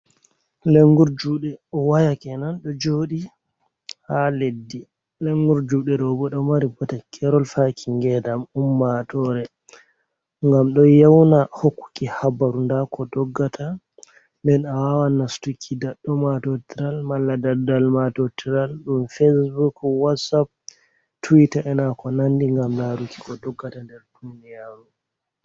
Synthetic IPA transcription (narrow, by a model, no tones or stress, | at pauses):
leŋɡuɾd͡ʒuɗɛɔwajakɛnanɗɔd͡ʒoɗi | haledːi | leŋɡuɾd͡ʒuɗɛɗɔbɔɗɔmaɾibɔtakʰɛɾɔlfakʰiŋɡɛdamumːatɔɾɛ | ŋɡamɗɔjawnahokːu̥kːihabaɾundakʰɔdɔɡːatʰa | ndɛnawawanastukʰːidaɗːɔmatɔtiɾalmalːadadalmatɔtʰiɾalɗumfesbukwatsap̚ | tuwitaʔɛnakɔnandiŋɡamlaɾuki̥kɔdɔɡːatandɛɾdunijaɾu